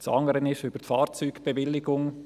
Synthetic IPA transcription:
t͡sɑ̰ŋəɾənɪʃʏb̥əɾtfɑːɾt͡syːɡb̥eʋɪlːɪɡʊŋ

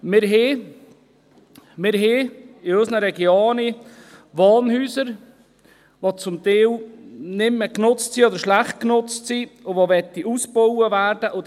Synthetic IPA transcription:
mɪɾɦeː | mɪɾɦeːɪœsnəɾɛɡjoːniʋɑːnhyːsəɾ | ʋot͡sʊmt̪eːwnɪmːəknʊt͡stsiɔd̪əɾʃlæχt̚knʊt͡stsiʊʋoʋɛt̪ːiʔusbowəvæːɾd̥əʔʊt

